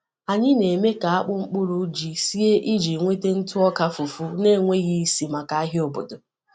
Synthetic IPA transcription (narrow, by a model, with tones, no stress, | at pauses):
a˨ɲɪ˦ne˨me˦ka˨a˦k͡pʊ˦ŋ͡m̩˦k͡pʊ˦ɾʊ˦d͡ʒi˨si˦e˦ʔi˦d͡ʒi˨ŋʷe˦te˦n̩˦tʊ˦ɔ˦ka˦fu˨fu˦ne˦˨ŋʷe˦ɣi˦si˨ma˨ka˦a˦ɦɪ˦o˨bo̰˨dʊ˨